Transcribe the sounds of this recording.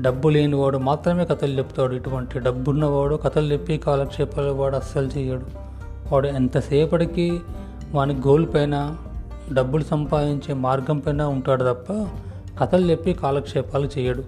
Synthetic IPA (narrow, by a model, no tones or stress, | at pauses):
ɖɐbːuleːniʋaːɽumaːt̪ɾɐme̞ːkɐt̪ɐlut͡ʃepːu̥t̪aːɽuiʈuʋɐɳʈiɖɐbːulunɐʋaːɽukɐt̪ɐlud͡ʒepːikaːlɐkʂɛːpaːlɐʋaːɽuɐsːɐlut͡ʃɛːjaːɽu | ʋaːɽuent̪ɐsɛːpɐɽiki | ʋaːniɡo̞ːlupɐjnɐː | ɖɐbːulusɐmpaːd̪iɲt͡ʃeːmaːɾɡɐmpɐjnaːuɳʈaːɽut̪ɐpːɐ | kɐt̪ɐlud͡ʒepːikaːlɐkʂɛːpaːlut͡ʃɛːjɐɽu